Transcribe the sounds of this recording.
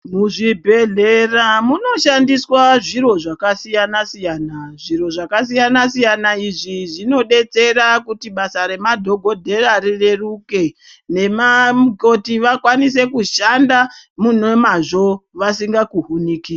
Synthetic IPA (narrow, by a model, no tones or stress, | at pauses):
muʐibʱe̞ɮeramuno̞ʃandiswaʐiɾo̞ʐakasijanasijanaʐiɾo̞ʐakas̬ijanasijanaiʐiʐino̞ɗe̞t͡se̞ɾakutiɓasaɾe̞madʱo̞ɡʱo̞dʱe̞raɾireruke̞ | ne̞mamko̞tiʋakwanise̞kuʃandamun̤uwe̞maʐo̞ʋasiŋɡakuɦunikiːra